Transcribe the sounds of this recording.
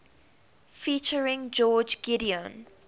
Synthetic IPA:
fiːˑt͡ʃəɹɪ̃ŋd͡ʒɔːd͡ʒɡɪɾiə̃n

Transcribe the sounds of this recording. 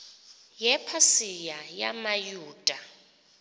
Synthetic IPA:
jɛpʰasijaja̰majuːd̥ʼʱa

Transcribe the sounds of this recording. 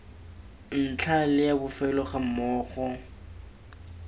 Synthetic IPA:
n̩t͡ɬʰalɪjabʊfɛlɔχamɔːχɔ

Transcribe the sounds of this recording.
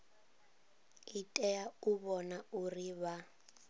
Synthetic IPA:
itʼɛauβɔnauriβa

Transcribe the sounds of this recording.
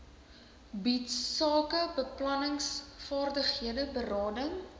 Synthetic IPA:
bitːɑːkəbəplɐnəŋsfɑːrdəχhiədəbərɑːdəŋ

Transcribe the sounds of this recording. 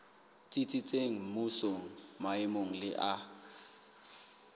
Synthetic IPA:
t͡sʼit͡sʼit͡sʼeŋ̩musoŋ̩maɪmoŋ̩lɪ̰ʔa

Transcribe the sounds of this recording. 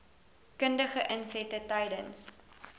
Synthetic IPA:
kəndəχəʔənsɛtətɐjdəns

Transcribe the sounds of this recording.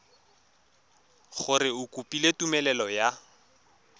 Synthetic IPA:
χʊrɪʊkʼupʼiletʼumɛlɛlɔja

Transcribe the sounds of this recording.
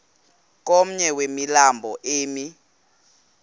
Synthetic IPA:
k̬ʼom̩ɲɛwemilambʱɔʔeːmi

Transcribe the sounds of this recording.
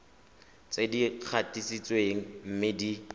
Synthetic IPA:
t͡sedik͡xʰatisit͡sʼweŋ̩m̩mɪdi

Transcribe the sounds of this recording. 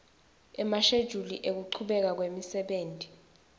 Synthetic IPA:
ɛmaʃed̥ʒ̥ʱulḭʔek̬uǃʰuɓɛk̬ak̬wemisɛɓeːntʼi̥

